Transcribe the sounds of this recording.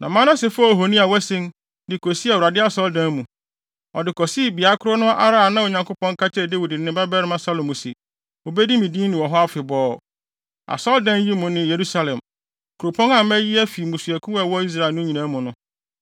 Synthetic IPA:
nã̰˨mã˦nã˦sɛ˨fa˦o˨ɦo˨nĩ˦a˨wæ˦sɪ̃˦n | dɪ˨kʰɔ˨si˦a˨wu˨ɾa˨dɪ˦a˦˨sɔ˦ldã˦nmũ˨ | ɔ˨dɪ˨kʰɔ˨si˦bi˨a˨˦kʰʊ˦ɾo˦nʊ̃˦ʔa˦ɾa˦˨a˨nã˦wo˨ɲã˨ŋkʊ˦pɔ̃˦ŋ˦kʰa˦t͡ɕʰɛ˦˨de˦wu˨dɪ˨nɪ̃˦ba˦bɛ˦ɾɪ˦mã˦sa˦lo˨mũ˨sḭ˨ | o˨bɛ˦di˦mĩ˨dĩ˦nɪ̃˨wɔ˨ɦɔ˦a˦fɪ˨bɔː˦˨ | a̰˨sɔ˦ldã˦n˦ji˦mʊ̃˨nɪ̃˨je˨ɾu˦sa˦lɛ̃˨m | kʰu˨ɾo˨pʰɔ̃˦nã˨mæ˦ji˦æ˦fi˨mũ˨su˨æ˨kʰũ˦ɛ˨wɔ˦i˦s̬ɾa˨ɪ˨lnʊ̃˦ɲĩ˨nã˨˦mʊ̃˨nʊ̃˦

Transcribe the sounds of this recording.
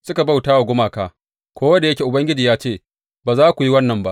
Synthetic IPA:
sʊ˦ka˨ba˦wtaː˦wa˨ɡʷʊ˦maː˨kaː˦ | kʷoː˦wɐ˦da˨jɐ˦kʲe˨ʔʊ˨bɐ˦ŋɡʲɪ˦d͡ʒiː˨jaː˦t͡ʃeː˦˨ | baː˨zaː˦kʷu˨ji˦wɐ˦nːɐ˨mba˦ʔ

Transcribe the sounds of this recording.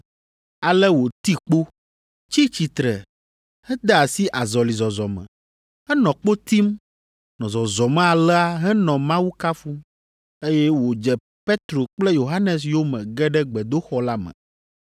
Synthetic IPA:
a˨lɛ˦wo˨t̪i˦k͡po˦ | t͡ɕi˦t͡ɕi˨t̪ɾɛ˨ | hɛ˦d̪ɛ˦a˨si˦ʔa˨zɔ˨li˨zɔ˨zɔ˨mɛ̰̃˨ | ɦɛ˦nɔ̃˨k͡po˦t̪i˦m | nɔ̃˨zɔ˨zɔ˨mɛ̃˦a˨lɛ˦a˦ɦɛ˦nɔ̃˨mã˦wu˦ka˦fu˦m | e˦jɛ˦wo˨d͡ʒɛ˨ | pe˦t̪ɾo˨k͡plɛ˦jo˨ɦa˦nɛ˨s̬jo˦mɛ̃˨ɡɛ˦ɖɛ˦ɡ͡bɛ˨d̪o˦xɔ˦la˦mɛ̰̃˨

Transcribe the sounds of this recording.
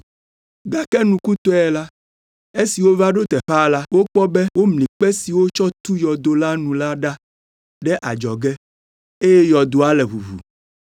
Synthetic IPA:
ɡa˨kɛ˦nũ˨ku˦t̪ɔ˦ɛ˨la˦ | e˦si˨wo˦va˦ɖo˦t̪ɛ˨ɸa˦la˦wo˦k͡pɔ˦bɛ˦wo˦mlĩ˨k͡pɛ˦si˨wo˦t͡ʃɔ˦t̪u˦jɔ˨d̪o˦la˦nũ˨la˦ɖa˦ | ɖɛ˦ʔa˨d͡ʒɔ˨ɡɛ˦ | e˦jɛ˦jɔ˨d̪o˦a˦lɛ˨βu˨βṵ˨

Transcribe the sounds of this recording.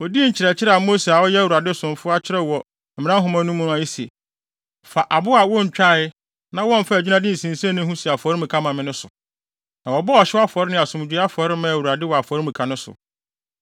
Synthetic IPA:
ɔ˨di˦ɲ̩˨t͡ɕʰɪ˨ɾɛ˨t͡ɕʰɪ˦ɾɛ˦˨a˨mo˦se˨a˨wɔ˦jɛ˦˨wu˨ɾa˨dɪ˦sʊ̃˨n˨fʊ˦a˦t͡ɕʰɪ˦ɾɛ˦wɔ˨ | m̩˨mɪ̃˦ã˦ɦʊ̃˦mã˦nũ˦mũ˦ʊ̃˦ã˨i˦si˨e˨ | fa˨ʔa˨bʊ˦a˨wɔ̃˦ɲ̩˨t͡ɕᶣa˦˨ɪ˦ | nã˦wɔ̃˦m˨fa˦˨d͡ʑᶣi˦nã˦dɪ̃˦n̩˨sĩ˨n˨sã˦nʊ̃˦hũ˦si˨a˨fɔ˨˦ɾɪ˦mũ˨kʰa˦mã˨mɪ̃˦nʊ̃˦sʊ̰˨ | nã˨wɔ˨bɔ˦ɔ˨ɕɪ˦wa˦fɔ˨ɾɪ˦nɪ̃˦a˨sʊ̃˨mʊ˨˦a˦fɔ˨ɾɪ˦mã˦˨wu˨ɾa˨dɪ˦wɔ˨a˨fɔ˨˦ɾɪ˦mũ˨kʰa˨nʊ̃˦sʊ̰˨

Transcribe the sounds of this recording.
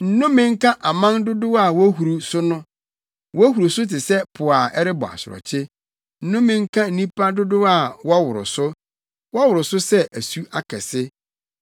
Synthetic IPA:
n̩˨nʊ̃˦mɪ̃˦ŋ̩˦kʰã˦ʔa˨mã˦ndʊ˦dʊ˦a˦˨wɔ˦ɦu˨ɾu˨sʊ˦nʊ̃˦ | wɔ˦æ˦hu˨ɾu˨sʊ˦tɪ˨sɛ˦pʰʊ˨a˨ʔɛ˦ɾɪ˦bɔ̰˨a̰˨sʊ˨ɔ̰˨t͡ɕʰɪ˦ | n̩˦nʊ̃˦mɪ̃˨ŋ̩˦kʰã˦n̩˨nĩ˦pʰa˦dʊ˦dʊ˦a˨wɔ˦wʊ˨ɾʊ̰˨sʊ˦ | wɔ˦wʊ˨ɾʊ˨sʊ˦sɛ˦ʔæ˨su˦a˦kʰɛ˨sɪ˦

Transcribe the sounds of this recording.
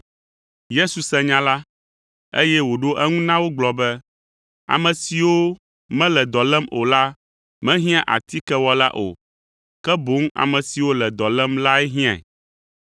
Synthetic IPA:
je˦su˨sɛ̃˦ɲã˦la˦ | ḛ˦jɛ˦wo˨ɖo˦ʔɛ˦ŋũ˦nã˦wo˦ɡ͡blɔ˨bɛ˦ | a̰˨mɛ̃˨si˨wo˦ | mɛ̃˦lɛ˨d̪ɔ˨lɛ˦mo˨la˦ | mɛ̃˦ɦĩ˦ã˦ʔa̰˨t̪i˦kɛ˦wɔ˦la̰˦ʔo̰˨ | kɛ˦bo˨˦ŋa̰˨mɛ̃˨si˨wo˦lɛ˨d̪ɔ˨lɛ˦mla˦ɛ˦ɦĩ˦ã̰˨ɛ̰˨

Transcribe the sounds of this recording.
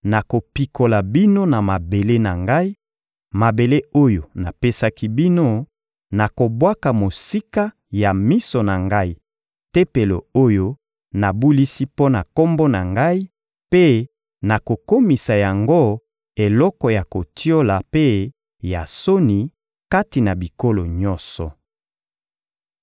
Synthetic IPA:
na˨ko˨pi˨ko˨la˨bi˦no˦na˨ma˨be˨le˦na˨ŋɡa˦i˦ | ma˨be˨le˦o˦jo˨na˨pe˦sa˦ki˦bi˦no˦ | na˨ko˨bwa˦ka˨mo˨si˦ka˦ | ja˨mi˦so˨na˨ŋɡa˦i˦ | te˦pe˨lo̰˨o˦jo˦ | na˨bu˦li˦si˦po˦na˨ko˦mbɔ˦na˨ŋɡa˦i˦ | pe˦ | na˨ko˨ko˦mi˨sa˨ja˨ŋɡo˦ | e˨lɔ˦kɔ˨ja˨ko˨ti˦o˦la˨pe˦ | ja˨so˦ni˨ | ka˦ti˨na˨bi˨ko˦lo˨ɲɔ̃˦nsɔ˨

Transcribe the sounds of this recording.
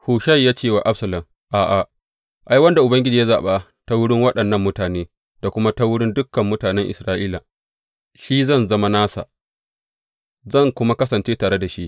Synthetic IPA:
huː˨ʃɐ˦jaː˦t͡ʃeː˦˨wa˨ʔa˦sɐ˨lɐ˨m | ʔaː˨ʔa˨ | ʔa˦jwɐ˦nda˨ʔʊ˨bɐ˦ŋɡʲɪ˦d͡ʒiː˨ja˦zaː˨ɓa˦ | ta˦wʊ˦ɽɪ˦ŋwɐ˦ɗɐ˨nːɐ˦˨mːʊ˦taː˨neː˦ | d̥a˨kʷʊ˦ma˦ta˦wʊ˦ɽɪ˦ndʊ˦kːɐ˨mːʊ˦taː˨nɛ˦ŋʔɪ̰˨sɾaː˦ʔiː˦laː˨ | ʃi˦zɐ˦˨nzɐ˦ma˦naː˦sa̰˨ | zɐ˦˨ŋkʷʊ˦ma˦kɐ˦sɐ˨nt͡ʃeː˦taː˨ɽe˦da˨ʃi˦ʔ

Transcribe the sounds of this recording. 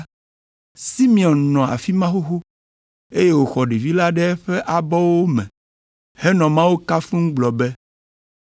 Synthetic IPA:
si˦mĩ˨ɔ̃˨nnɔ̃˨a̰˨fi˦mã˦xo˦xo˦ | e˦je˦wo˨xɔ˨ɖe˨vi˦la˦ɖɛ˦ɛ˦ɸɛ˦ʔa˨bɔ˦wo˦mɛ̃˨ | hɛ˦nɔ̃˨mã˦wo˦ka˦fũ˦ŋ̩˦ɡ͡blɔ˨bɛ˦

